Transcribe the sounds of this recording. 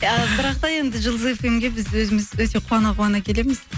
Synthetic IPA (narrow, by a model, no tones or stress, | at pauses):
əbɪɾɑq̚t̪ɑje̞nd̪ɪʒəlˠd̪əzefemɡʲe̞bɪzwɵzɪmɪzwɵt̪e̞qʰuɑnɑʁuɑnɑkʲʰe̞le̞mɪz̥